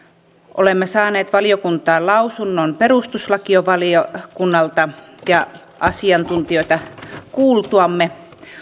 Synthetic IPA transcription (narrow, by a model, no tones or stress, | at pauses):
ʔolemːesɑːneːt̪ʋɑliokunt̪ɑːlɑusunːonpeɾust̪uslɑkioʋɑliokunːɑlt̪ɑjɑ | ʔɑsiɑnt̪unt̪ioit̪ɑkuːlt̪uɑmːe